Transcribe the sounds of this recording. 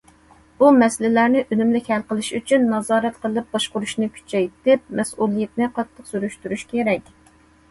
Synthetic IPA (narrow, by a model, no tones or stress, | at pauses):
bumɛslɪlæɾnɪʔønymlɪkʲhælqəlˠɨʃyt͡ʃʰynːɑzɑːɾɛt̪qʰəlˠɨp̚bɑʃqʊɾuʃnɨkʲʰy̥t͡ʃʰɛjt̪ɪp̚mɛsulˠːijɪt̪̚nɨqʰɑt̪ʰːəqsyɾyʃt̪yɾyʃkʲʰeɾɛkʲ